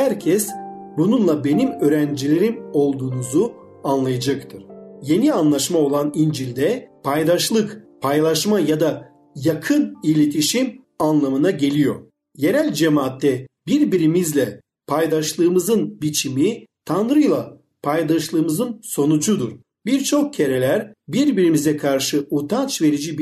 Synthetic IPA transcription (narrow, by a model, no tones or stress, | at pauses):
hæɾcʰɛsbununlˠabe̞nimøːɾænd͡ʒilʲe̞ɾimo̞lˠd̪uːnuzu | anlˠajad͡ʒakt̪ʰɯɾ̥je̞nianlˠaʃmao̞lˠanind͡ʒilʲd̪ɛpʰajd̪aʃlˠɯkpʰajlˠaʃmajad̪a | jakʰɯnilʲet̪ʰiʃim | anlˠamɯnaɟe̞lʲijo̞ɾ | je̞ɾælʲd͡ʒemaːt̪ʰːɛbiɾbiɾimizlʲɛ | pʰajd̪aʃlˠɯːmɯzɯnbit͡ʃʰimit̪ʰanɾɯjlˠa | pʰajd̪aʃlˠɯːmɯzɯnso̞nud͡ʒud̪uɾ̥ | biɾt͡ʃʰo̞k̚cʰe̞ɾe̞lʲæɾbiɾbiɾimizɛkʰaɾʃɯot̪ʰant͡ʃve̞ɾid͡ʒib